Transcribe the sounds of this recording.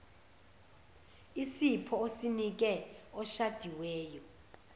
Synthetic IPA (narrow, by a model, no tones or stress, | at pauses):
isipʰɔosinik̬ɛɔʃad̥ʱiwɛːjɔ